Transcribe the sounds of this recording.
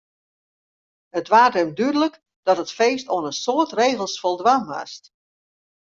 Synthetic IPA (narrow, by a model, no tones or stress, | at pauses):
hətʋaːrdəmdydələk | d̥ɔtətfeːstoənənsoətreːɣəl̩ˠsfolˠdʋanʋa̰st